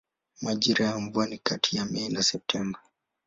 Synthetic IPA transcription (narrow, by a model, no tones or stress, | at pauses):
maʄiɾajaɱvuanikatʰijamɛinasɛp̚tʰɛmba